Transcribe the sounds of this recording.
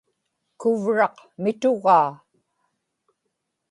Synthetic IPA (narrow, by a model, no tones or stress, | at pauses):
kʊvɻɑqmɪt̪ʊɣɑː